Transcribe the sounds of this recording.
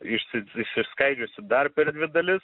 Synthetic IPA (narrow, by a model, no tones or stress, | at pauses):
ɪʃsʲɪɪʃsʲɪskɐɪd͡ʒʲʊsʲɪd̪ɐrpʲɛɾd̪ʲʋʲɪd̪ɐlʲɪs